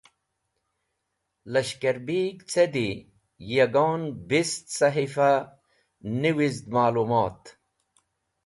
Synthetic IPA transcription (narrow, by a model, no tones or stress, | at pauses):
lɐɕkɐɾbiːɡt͡sʰed̪i | jɐɡoːnbist̪sɐɦifa | niwizd̪maːluːmaːt̪